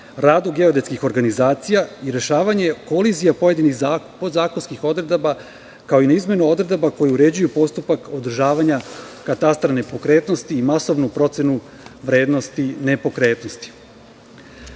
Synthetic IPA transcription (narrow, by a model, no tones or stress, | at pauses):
ɾaːd̪uɡe̞o̞d̪eskixo̞ɾɡanizaːt̪sijaiɾe̞ʃaːʋaɲe̞ko̞lizijapo̞je̞d̪inixzapozaːkonskixo̞d̪ɾe̞d̪aba | kaoinaizme̞nuo̞d̪ɾe̞d̪abako̞jeuɾe̞d͡ʑujupo̞st̪upako̞d̪r̩ʒaːʋaɲa | kat̪ast̪ɾanepo̞kɾe̞ːt̪no̞st̪iːmaso̞ʋnupɾo̞t̪se̞nu | ʋɾe̞ːd̪no̞st̪ine̞po̞kɾe̞ːt̪no̞st̪i̥